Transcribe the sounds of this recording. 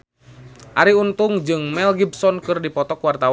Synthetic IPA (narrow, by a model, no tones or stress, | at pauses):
ʔaɾiunt̪uŋd͡ʒɨŋmɛlɡibsɔnkɨrdipɔt̪ɔkwart̪aw